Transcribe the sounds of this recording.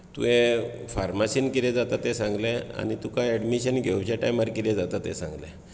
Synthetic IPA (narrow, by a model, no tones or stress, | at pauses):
t̪ṵẽ | faɾmasinkiɾɛd͡zat̪at̪ɛ̃sãŋɡlɛa̰nit̪ukajɛɖmiɕənɡʱewt͡ɕaʈajməɾkiɾɛd͡zat̪at̪ɛ̰sã̰ŋɡlɛ̰